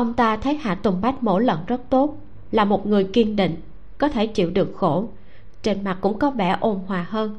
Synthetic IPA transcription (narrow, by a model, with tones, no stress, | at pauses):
ʔə˧wŋ͡mt̪aː˧t̪ʰə˨˦jha̰ː˧˨t̪ʊ˨˩ŋ͡mɓa˦˥jk̟̚mo̰˧˥lə̰˧˨nzə˦˥t̚t̪o˦˥t̚ | laː˨˩mo˨˩t̚ŋɨ˨˩əjki˧əŋɗḭ˧˨ŋ̟ | kɔ˨˦t̪ʰe˧˩t͡ɕḭ˧˨wɗɨ˨˩ək̚xo˧˩ | t͡ɕe˧nma˨˩t̚kʊ̰˧˥ŋ͡mkɔ˨˦vɛ̰˧˩ʔo˧nhwaː˨˩ɦəː˧n